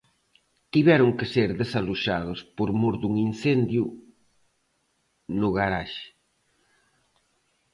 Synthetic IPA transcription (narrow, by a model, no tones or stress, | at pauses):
t̪iβɛɾʊŋkeseɾðesaluʃað̞ospoɾmuɾd̪uŋinθend̪ju | nʊɣaɾaʃe̥